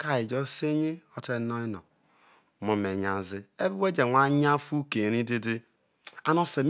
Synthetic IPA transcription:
ka˦˨i˨d͡ʒo˦se˦ɲi˦o˦te˦no˦i˦nɔ̰˨ | mo˨me˨ɲa˨zɪ˦e˦bi˦we˦d͡ʒe˨ŋʷa˨˦ɲ˦a˦fu˦ke˨ɾi˦di˦di˦ | a˨˦no˦se˨m

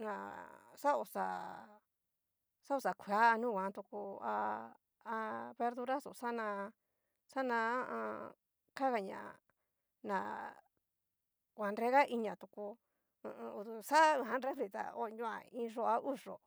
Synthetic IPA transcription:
nã˨sa˦o˨sa˨ | sa˦o˧sa˨kʷʰa˦a˧nũ˦˨wʷã˨˦˧t̪u˧ku˧a˧ | a˧βe˧ɾðu˧ɾa˦so̰˨sa˦nã˧ | sa˦nã˧a˦ʔã̰˧ | ka˦ɣa˧ɲã̰˨ | nã˨ | kʷã˨nɾe˦ɣa˦ʔi˧ɲã˨t̪u˧kṵ̃˧ | u˧t̪u˧sa˦˧ɦã˧nɾe˦fɾi˧˨t̪a̰˨o˦˧ɲũ˦a̰˧ĩ˧ʐo˧a˧ʔu˦ʐ̥o̰˨

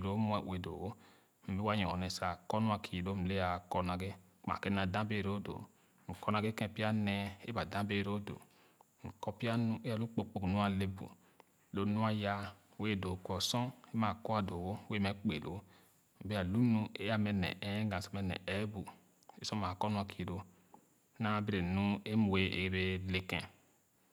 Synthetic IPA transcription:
ɾo˨˦m˦a˨we˨do̰˨wo˦ | m̩˨be˦wa˦ɲɔ˨nɛ˨sa˨kɔ˦nu˦a˨kʰi˨lo˦m̩˨le˦a˨kɔ˦na˨ɡe˦ | a̰˨ke˦na˨dã˦be˦˨ɾo˦do̰˨ | ŋ̩˨kɔ˦na˨ɡe˦kɛ̃˦pi˦a˦nɛ˦e˦ba˨dã˦be˦˨ɾo˦do̰˨ | ŋ̩˨kɔ˦pi˦a˦nu˦e˦a˨lu˦k͡po˦k͡po˨knu˦a˦˨le˦bṵ˨ | lo˦nu˦a˦ja˦ | we˦˨do˨kɔ˨sɔ̃˦e˦ma˨kɔ˦a˨do˨wo˦we˦mɛ˦k͡pe˨lo̰˦ | m̩˨be˦a˨lu˦nu˦e˦a˦mɛ˨nɛ̰˨ɛ˦ɡã˨sɔ˦mɛ˦nɛ̰˨ɛ˦bu˨ | e˨sɔ̃˦ma˨kɔ˦nu˦a˨kʰi˨ɾo˨˦ | na˦be˦ɾe˨nu˦e˦mu˨we˦ʔḛ˨e˦be˦le˦kɛ̰̃˨

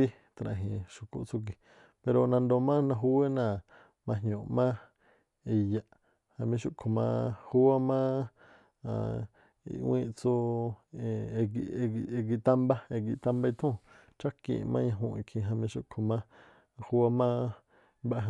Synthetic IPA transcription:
i˦ | t̪a˧ɾã̰˧˨ɦĩ˧˨ʃu˧kṵ˧ʔt͡su˧ɡ̬i˧ | pe˧ɾo˧nã˧nd̪o˧mã˦nã˧ɦu˧we˦nã˧˨ | mã˧ɦɲõ˨mã˦ | i˧ja˧ʔ | hã˧mĩ˧ʃu˧ʔkʰo˨mã̰˧hu˦a˦mã˦ | a˧˨ | ḭ˧wĩ˧t͡su˦˧ | ɡi˧ɡi˧ɡi˧t̪a˦mba˦e˧ɡi˧t̪ã˦mba˧i˧t̪ʰũ˦ | t͡ʃa˦kḭ̃˧˨˧mã˦ɲã˧ɦũ˧ĩ˧kʰĩ˧ɦã˧mĩ˧ʃu˧kʰo˧mã˦˧ | hu˧wa˧mã˦ | ba˦˧ɦ

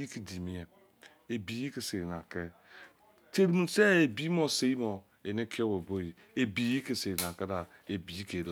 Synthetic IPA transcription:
i˦ki˨di˨mi˦e˨ | e˨bi˨ji˦ke˨se˨ɾi˨n˨a˨ke˦ | te˦ɾi˦mu˦se˦e˨bi˦mo˦˨se˨ji˦mo˨ | e˨ne˦kʰi˦o˦wo˨bo˦ji˨ | e˨bi˨ji˦ke˨se˨ɾi˨na˨ke˦da˨ | e˨bi˨ji˦ke˨l

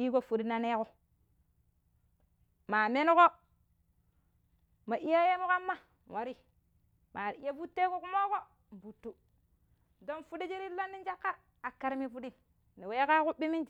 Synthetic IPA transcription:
i˦ko˦fu˨di˦na˨ne˦ko˦ | maː˨me˦n˦ko˦ | ma˨ʔi˦ja˦je˦mu˦ka˦mːa˦ | wa˨ɾi˦ | ma˨ɾi˦je˦fu˦tːe˦ko˦ku˦mo˦ko˦ | m˨bu˨tːu˦ | do˦nfu˦di˦d͡ʒi˦ɾi˦lo˦nːi˦n˦d͡ʒa˦kːa˦ | a˨kːa˦ɾmi˦fu˦di˦ | ni˨we˦ka˦ku˦ɓi˦mi˦nd͡ʒ

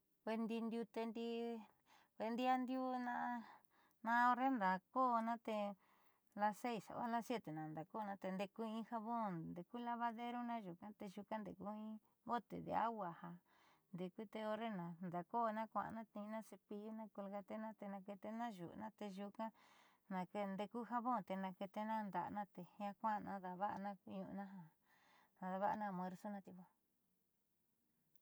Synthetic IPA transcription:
ke˧nd̪i˧nd̪ʲju˧t̪e˧nd̪i˧ | ke˧nd̪i˦a˧nd̪ju˦nã˧ | nã˦˧o˧ɾe˦nd̪a˨koː˦˧nã˦t̪e˧ | la˧se˦i˨sa̰˨βa̰˦la˦sje˦t̪e˨nã˨˧nd̪a˨ko˦˧nã˧t̪e˧nd̪e˧ku˦ĩ˧˦ha˧βõ˦˨nd̪e˨ku˦la˧βa˧ðe˦ɾo˦nã˦ʒu˨kã˦t̪e˧ʒu˧kã˦nd̪ḛ˨ku˦ĩ˦ | βo˦t̪ḛ˨d̪ḛ˧˦a̰˦wʷa˧ha˧ | nd̪e˨ku˦t̪e˧o˧ɾe˦nã˨nd̪a˨ko˦˧nã˦kʷã̰˨˧nã˦t̪ĩ˧nã˦se˧pi˧ju˦nã˦ku˧lɡa˧t̪e˦nã˦t̪e˧nã˧ke˧t̪e˦nã˦ʒṵ˨ʔnã˦t̪e˧ʒu˧kã˦ | nã˧ke˧nd̪e˧ku˦ha˦˧βõ˦˨t̪e˧nã˧ke˧t̪e˧˦nã˦nd̪a˨ʔnã˦t̪e˧hã˧kʷã˦˧nã̰˧ða˧βa˦ʔnã˦ku˧˦ɲṵ̃˧nã˦ɦa˨ | ã˧ða˧βa˦ʔa˧nã˦˨m˧ẽ˧ɾso˦nã˦t̪i˧βʷa˧

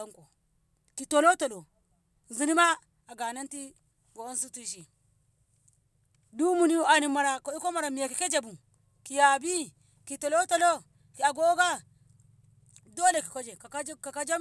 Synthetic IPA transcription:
a˦ŋko˨ | ki˨to˨lo˦to˨lo˨ | n˨zi˦ni˦ma˦ | a˨ɡa˨na˦nti˦ | ɡo˨o˦ns̬u˦ti˦ʃi˨ | du˦mu˨ni˦a˨ni˨ma˨ɾa˨ki˦ko˦ma˨ɾa˨mi˨ja˨ki˨ke˦d͡ʒa˨bu˨ | ki˨ja˨bi˦ | ki˨to˨lo˦to˦lo˦ | ki˨a˨ɡo˦ɡa˦ | do˦le˨ki˨ko˦d͡ʒe˨a˨˦ka˨ka˦d͡ʒa˦

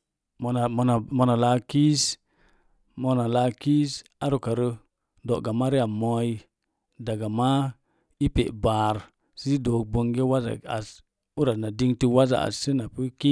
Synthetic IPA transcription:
m˨a˨mo˧na˨la˧ki˦s | mo˧na˨la˧ki˦sa˦ɾu˨ka˨ɾə˧ | do˨ʔɡa˨ma˦ɾi˦a˨mo˧˦i˦ | da˨ɡa˨ma˦ | i˦pḛ˨ʔba˨ɾ | si˦do˨˦k̚bo˧ŋɡe˦wa˦za̰˨a̰˨s | u˦ɾa˨na˨di˧ŋti˧wa˦za̰˨a̰˨si˦na˨pi˦ki˦

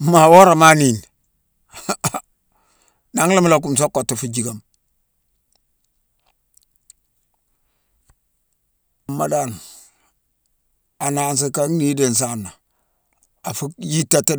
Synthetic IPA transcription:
ma˨wo˦ɾa˨ma˦ni˨n | na˨˦ŋ˦la˦m˦lo˨k̬u˨ms̬o˦kːo˨tːa˨fu˨d͡ʒi˨ka˨m˨ | ma˨da˦˨n | a˨na˨ns̬i˨ka˦ŋni˦de˨n˨s̬a˦˨nːa˨ | a˨fu˦ji˦tːa˦tːa˦

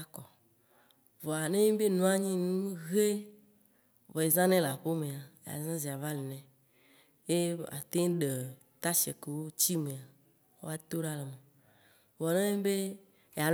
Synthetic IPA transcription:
a˨kɔ˨ | vɔ˨a˨nẽ˦ɲĩ˦be˦nũ˦a˦ɲĩ˦nũ˦ɣe˦ | vɔ˨e˨zã˦nɛ̃˦la˨ɸo˦mẽ˨a˨ja̰˨zã˦zi˨a˨va˦le˨nɛ̃˨ | je˦a̰˨t̪ẽ˦ŋ˦ɖe˨ | t̪a˦ʃɛ̰˨ke˨wo˦t͡ɕi˦mẽ˨a˨ | wo˦a˦t̪o˦ɖa˦le˨mẽ˨ | vɔ˨nẽ˦be˦ | ja˨

